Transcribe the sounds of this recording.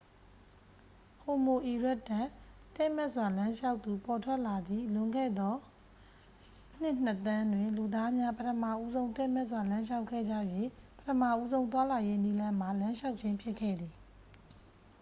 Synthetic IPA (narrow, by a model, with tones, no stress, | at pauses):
ho˨mo˨ʔi˨ɹɛ˦ʔtːã˦˨ | tɛ˦ʔmɛ˦ʔswa˨lã˦ʃa˦ʊʔt̪ːu˨pʰɔ˨tʰwɛ˦ʔla˨d̪i˨lʊ̃˨ŋɡɛ̰˦˨d̪ɔ˦ | n̥ɪ˦ʔn̥ət̪ã˦ndwɪ̃˨nlu˨d̪a˦mja˦pətʰəma˦˨ʔu˦zõ˦ʊ̃nt̪ɛ˦mɛ˦ʔs̬wa˨lã˦ʃa˦ʊkʰːɛ̰˦˨d͡ʑä̰˦˨jwe˦˨pətʰəma˦˨ʔu˦zõ˦ʊ̃t̪wa˦la˨je˦ni˦lã˦m̥a˨lã˦ʃa˦ʊʔt͡ɕʰɪ̃˦mpʰjɪ˦ʔkʰːɛ̰˦˨d̪ði˨